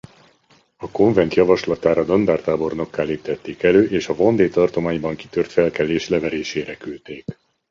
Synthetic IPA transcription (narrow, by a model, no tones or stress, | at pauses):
ɒko̞ɱvɛnt̪jɒvɒʃlɒt̪aːɾɒd̪ond̪aːrt̪aːbo̞rno̞kːaːliːt̪ɛt̪ːeːkɛløːʔeːʃɒvo̞nd̪eːt̪ɒrt̪o̞maːɲbɒŋki̥t̪ørt̪fɛlkɛleːʃlɛvɛɾeːʃeːɾɛkylt̪eːk